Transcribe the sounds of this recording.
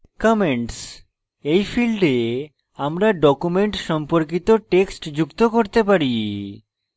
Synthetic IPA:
kɔmeɳʈs | ejfʰilɖe | amɾaɖɔkumeɳʈʃɔmpoɾk̬it̪oʈeksʈd͡ʑukt̪okoɾt̪epaɾi

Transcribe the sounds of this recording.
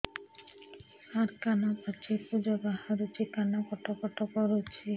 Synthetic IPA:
aɾkanapat͡ʃʰipud͡ʒɔbahaɾut͡ʃikanakɔʈʰɔkɔʈʰɔkɔɾot͡ʃʰi

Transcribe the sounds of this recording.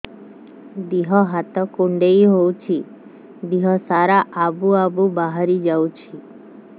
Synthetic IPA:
d̪iɦɔɦat̪ɔkuɳɖeiɦowt͡ʃʰi | d̪iɦɔsaɾaʔabuabubaɦaɾid͡ʒawt͡ʃʰi

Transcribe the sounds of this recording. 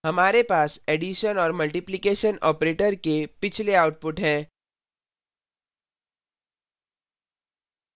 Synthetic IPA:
ɦɐmaːɾepaːseːɖiʃənɔːɾmɐlʈɪplɪkeːʃənɔ̰ːpɾeːʈəɾkepɪt͡ʃʰleaːʊʈ̚pʊʈɦɛ̃ː

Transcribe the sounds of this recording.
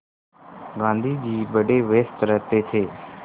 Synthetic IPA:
ɡãːnd̪ʱiːd͡ʑiːbəɖeːʋeːst̪ɾət̪eːt̪ʰeː

